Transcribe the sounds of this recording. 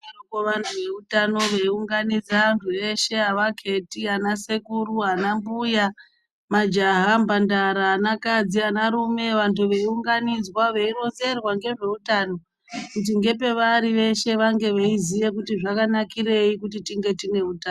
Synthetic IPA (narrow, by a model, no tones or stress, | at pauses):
erukoʋantʰuʋe̞utano̞ʋeiuŋɡanid͡zaantʰue̞ʃe̞aʋakʰe̞tianasekuɾuɦanambuja | mad͡ʒaɦambandaɾaːnakad͡zianaɾume̞ʋantʰuʋe̞iuŋɡanid͡zwaʋeiɾo̞nze̞rwaŋɡe̞ʐe̞utaːno̞ | kut̬iŋɡe̞pe̞ʋaɾiʋe̞ʃe̞ʋaŋɡe̞ʋeizije̞kutiʐakanakire̞ikutitiŋɡe̞tine̞utaː